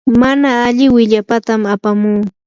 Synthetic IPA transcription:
manaːʎɪwɪʎapat̪amapamuː

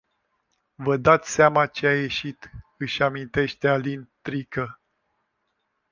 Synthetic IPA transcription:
vəd̪at̪sʲsamat͡ʃeaje̞ʃit̪ɨʃʲamint̪e̞ʃt̪ealint̪ɾikə

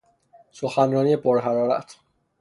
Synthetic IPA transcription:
soxænɾɔːniepoɾɦæɾɒːɾæ̰t̪ʰ

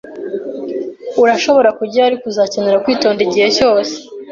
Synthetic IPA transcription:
uɾaʃo̞βo̞ɾakuɟaːɾikuzaːceneɾakwiːto̞ːndiɟihe̞co̞ːse̥

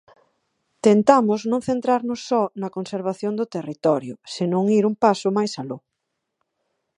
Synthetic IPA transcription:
t̪ent̪amʊznõŋθent̪ɾaɾnʊsːɔnɐkonseɾβ̞aθjond̪ʊt̪erit̪ɔɾjʊseɪnõŋiɾumpasʊmajsalo

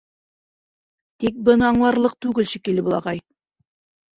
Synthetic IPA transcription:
t̪ik̚bɤ̆nɤɑɴlˠɑɾlˠɤq̚t̪ʉɡɘlʃɘkilɘbulˠɑ̰ʁɑj

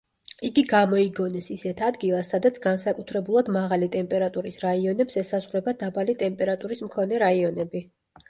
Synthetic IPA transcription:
iɡiɡamɔiɡɔnɛsisɛt̪ʰad̪ɡilˠasːad̪at̪sʰɡansakʼut̪ʰɾɛbulˠad̪maʁalit̪ʼɛmpʼɛɾat̪ʼuɾisɾaiɔnɛpsɛsazʁɾɛbad̪abalit̪ʼɛmpʼɛɾat̪ʼuɾismkʰɔnɛɾaiɔnɛbi

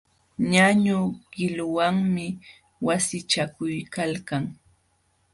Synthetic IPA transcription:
ɲaɲʊɢ̥ɪlʊwaŋmɪ | wasɪt͡ʃakʊjkalkaŋ

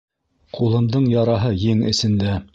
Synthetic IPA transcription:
qulˠɤ̆md̪ɤɴjɑɾɑɦɤjiŋɘ̆sɘ̆nd̪æ

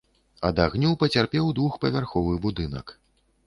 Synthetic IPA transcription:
ɐd̪aɣnʲɔwpɐt͡sʲarpʲɛwd̪vuxpɐvʲarxɔvɨbud̪ɨnɐ̰k

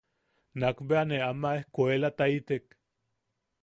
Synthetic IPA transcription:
nakbeaneamaehkoelat̪ait̪ek

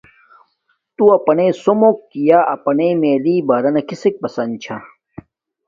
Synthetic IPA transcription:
t̪uɐpɐnesomok̚k̪ijaːʔɐpɐnemeːliːbɐːɾɐnɐkisek̚pɐsɐnt͡ɕʰa

